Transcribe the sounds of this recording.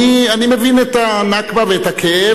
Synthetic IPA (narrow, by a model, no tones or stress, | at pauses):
ianimevinetanakbaveetakʰee